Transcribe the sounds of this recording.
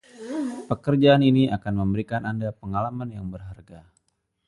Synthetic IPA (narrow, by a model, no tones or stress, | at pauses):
pəkərd͡ʒaːniniʔakanməmbəɾikanandapəŋalamanjaŋbərɦarɡa